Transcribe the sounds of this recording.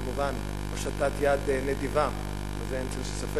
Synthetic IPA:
muvan | oʃat̪at̪jad̪ened̪iva | mazeemt͡selʃesafe

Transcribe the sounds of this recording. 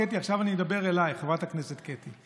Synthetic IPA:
et̪̬iaχʃavanied̪abeʁelajχavathakneset̪ket̪i

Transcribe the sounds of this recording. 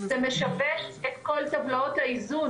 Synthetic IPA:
zeme̞ʃaveʃet̪ko̞lt̪avlaot̪haizu

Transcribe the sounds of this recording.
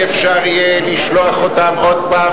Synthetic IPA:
efʃaʁijeliʃloaχotamod̪̚paː

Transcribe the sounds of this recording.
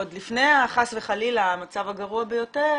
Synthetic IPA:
od̪lifnejaχasveχalilamat͡savaɡaʁuabejo̞te

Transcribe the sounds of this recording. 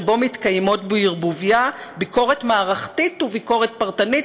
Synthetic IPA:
bo̞mitkajmo̞tbeiʁbuvijabiko̞ʁetmaːʁaχtituviko̞ʁet̚paʁtanit

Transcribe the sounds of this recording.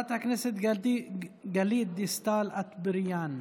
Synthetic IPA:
t̪ɐknɪsɪt̪ɡɐliːd̪ist̪aːlɐt̪bɪɾjaːn

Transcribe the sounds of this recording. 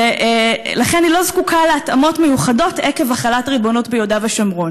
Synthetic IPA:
eʔelaχenailo̞zkukaleatamo̞tmejuχado̞tʔeke̞vaχalatʁibo̞no̞tbejodaveʃamʁo̞n

